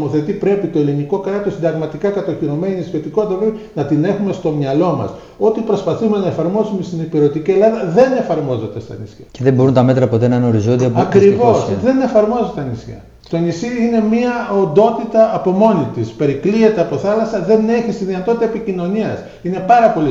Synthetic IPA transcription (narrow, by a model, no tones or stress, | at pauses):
moθe̞t̪ipɾe̞pit̪o̞eliniko̞kɾɐt̪osind̪ɐɣmɐt̪ikɐkɐt̪oçiɾo̞me̞niisço̞t̪iko̞t̪it̪ɐpɾepinɐt̪ine̞xume̞st̪o̞mɲɐlo̞mɐ̰s | o̞t̪ipɾo̞spɐθume̞nɐefɐɾmo̞sumest̪inipiɾo̞t̪icielɐðɐðe̞ne̞fɐɾmo̞ze̞t̪e̞st̪ɐ̰nḭsçɐceðebo̞ɾunt̪ɐme̞t̪ɾɐpot̪e̞nɐnoɾizo̞nd̪iɐpɐkɾivo̞sðe̞ne̞fɐɾmo̞zet̪eɐnisçɐ̰ | t̪o̞nisiine̞miɐo̞nd̪o̞t̪it̪ɐːpo̞mo̞nit̪ispe̞ɾikliet̪eɐpo̞θɐlɐsɐðe̞ne̞çist̪iðinɐt̪ot̪it̪ɐepicino̞niɐs | ine̞pɐɾɐpo̞li